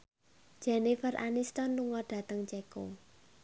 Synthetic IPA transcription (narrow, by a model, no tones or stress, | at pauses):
d͡ʒ̥ɛnifərʔa̰nist̪ɔnluŋɔɖ̥ä̤t̪əŋt͡ʃɛko